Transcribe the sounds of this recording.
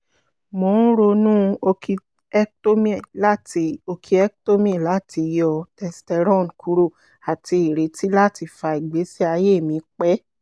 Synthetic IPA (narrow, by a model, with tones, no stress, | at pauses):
mõ˨˦n̩˦ɾo˧nũ˦o˧ki˧ | ɛ˦kto˦mĩ˦ɛ˨la˦ti˧o˧kʰi˧ɛ˦kto˦mĩ˦˨la˨˦˨ti˧jɔ˧tɛ˧stɛ˧ɾɔ̃˦˨n˨kʰu˨˧ɾo˦˨ | a˨ti˧i˨ɾe˨˦ti˦la˦ti˧fa˧i˨ɡ͡be˨˦si˦a˧je˦˨mĩ˨˦k͡pɛ˦